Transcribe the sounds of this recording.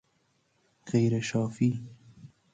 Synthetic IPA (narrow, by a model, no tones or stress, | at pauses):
ɣejɾeʃɑːfi